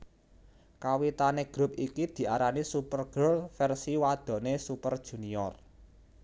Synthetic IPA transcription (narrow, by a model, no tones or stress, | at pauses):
kawit̪aneɡ̥ɾup̚ikid̪̥i̤ʔaɾanisupərɡ̥ɾʊlfɛrsiwad̪̥ɔ̤nesupərd̥ʒ̥ṳniɔr